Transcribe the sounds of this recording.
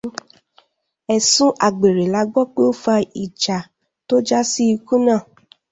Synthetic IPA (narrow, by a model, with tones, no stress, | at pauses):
ɛ˨sũ˦ʔa˨ɡ͡be˨ɾe˨la˧ɡ͡bɔ˦k͡pe˦o˦fa˧i˨d͡ʒa˨ | to˦d͡ʒa˦si˦i˧kũ˦nãː˦˨